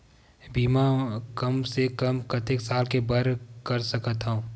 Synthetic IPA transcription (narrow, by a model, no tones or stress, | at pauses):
biːmakɐmsekəmkɐt̪eksaːlkebɐɾkɐɾsəkət̪ɦõː